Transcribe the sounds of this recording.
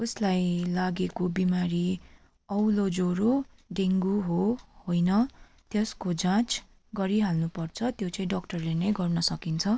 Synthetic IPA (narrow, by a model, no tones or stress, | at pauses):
uslajlaɡekobimaɾi | ʌwlod͡zoɾoɖeŋɡuɦohojnʌ | t̪jeskod͡zãt͡s | ɡʌɾiɦalnupʌrt͡sʰʌt̪jot͡saĩɖʌk̚ʈʌrlenʌjɡʌrnʌsʌkint͡sʰʌ